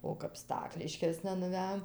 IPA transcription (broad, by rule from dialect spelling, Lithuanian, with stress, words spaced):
oː kɐp ˈstɑːklʲɪʃʲkʲeːsnɐ nʊˈʋʲæːjoːm